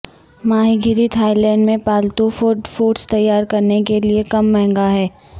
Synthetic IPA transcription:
maːɦiɡʱɪɾit̪ʰaːɪlɛ̃ːɳɖmẽpaːlt̪ofofoːʈst̪ɐjːaːɾkɐɾnekeliekɐmːɛɦŋɡaɦɛː

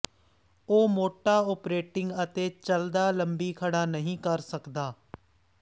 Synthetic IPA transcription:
oːmoːʈaːɔːpɾeːʈɪŋɡət̪eːt͡ʃəld̪aːləmbiːkʰəɽaːnəɦĩːkəɾsəkd̪aː

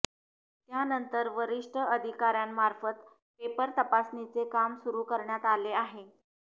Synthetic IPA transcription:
t̪janənt̪əɾʋəɾiʂʈʰəəd̪ʱikaɾjanmaɾfət̪ | pepəɾt̪əpasnit͡sekamsuɾuːkəɾɳjat̪aleaɦe

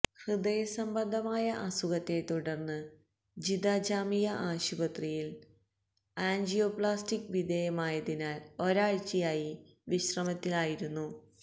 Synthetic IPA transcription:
hrɨd̪ɐjɐsɐmbɐnd̪ʱɐmaːjɐʔɐsuɣɐt̪ːe̞t̪uɽɐrnːɨ | d͡ʑid̪aːd͡ʑaːmijɐʔaːɕubɐt̪rijil | aːnd͡ʑijoːpɭaːstikːʋid̪ʱejɐmaːjɐðinaːlo̞ɾaːɻt͡ɕijaːji | ʋiɕrɐmɐt̪ːilaːjiɾunːu

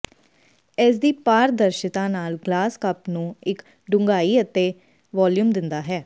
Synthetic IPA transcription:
ɛːsd̪iːpaːɾd̪əɾʃɪt̪ãːnaːlɡlaːskəpnũːɪk | ɖʊŋɡaːiːət̪eː | ʋaːljuːmd̪ɪnd̪aːɦɛː

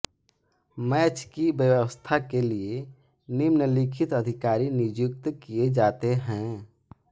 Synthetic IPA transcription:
mɛːt͡ʃʰkibjəwəwəst̪ʰakelie | nɪmnəlɪkʰɪt̪əd̪ʱɪkaːɾinɪd͡ʒʊk̚t̪kijed͡ʒaːt̪eɦɛ̃

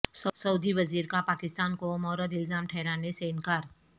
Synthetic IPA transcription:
ssɐːd̪iʋɐziːɾkapaːkɪst̪aːnkomɔːɾəd̪ɪlzaːmʈʰɛːɾaːneseɪnkaːɾ

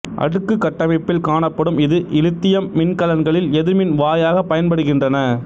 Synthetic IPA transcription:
ʔɐ̰ɽɯkːɯkːɐʈːɐmɪpːɪlkaːɳɐpːɐɽɯmɪðɯʔɪlɯt̪ːɪjɐmːɪnkɐlɐnɡɐɭɪlɛðɪɾmɪnʋaːjaːɣɐpːɐjɐnpɐɽɯɣɪndrɐnɐ

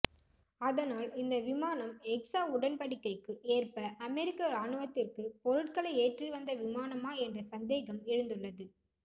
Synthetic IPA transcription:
ɐðɐnaːlɪnd̪ɐʋɪmaːnɐmɛksaːʊɽɐnpɐɽɪkːɐɪkːɯʔeːrpɐʔɐmɛɾɪkːɐaːɳɯʋɐt̪ːɪrkɯpɔɾɯʈ̚kɐɭɐɪeːʈriʋɐnd̪ɐʋɪmaːnɐmaːɛndrɐsɐnd̪eːɣɐmɛɻɯnd̪ɯɭːɐðɯ

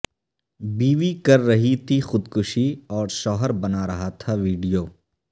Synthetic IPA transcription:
biːʋikɐɾːɐɦit̪ʰixʊd̪kʊʃiɔːɾʃɔːɦəɾbɐnaɾɐɦat̪ʰaʋiːɖijoː

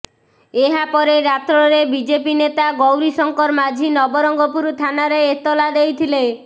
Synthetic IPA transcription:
eɦapɔɾeɾat̪ɾɔɾebid͡ʒepinet̪aɡowɾisɔŋkɔɾmad͡ʒʱinɔbɔɾɔŋɡɔpuɾut̪ʰanaɾeet̪ɔlad̪ejt̪ʰile

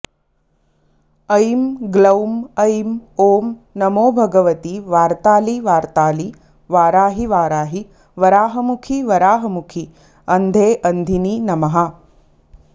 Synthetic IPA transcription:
ɐjmɡlɐwmɐjmoːmnɐmoːbʱɐɡɐʋɐt̪iʋaːɾt̪aːliʋaːɾt̪aːli | ʋaːɾaːɦiʋaːɾaːɦi | ʋɐɾaːɦɐmukʰiʋɐɾaːɦɐmukʰi | ɐnd̪ʱeːʔɐnd̪ʱininɐmɐɦɐ

